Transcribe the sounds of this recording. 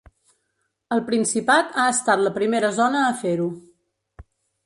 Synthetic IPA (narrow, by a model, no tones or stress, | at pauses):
əlˠpɾinsipat̪aəst̪at̪ləpɾimeɾəzɔnəːfeɾu